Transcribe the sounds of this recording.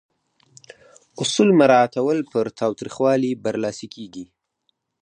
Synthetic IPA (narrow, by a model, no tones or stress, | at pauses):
ʊsulmaɾɑat̪awəlpəɾt̪ʰɑwt̪ɾixwɑlibaɾlɑsikʰeɡi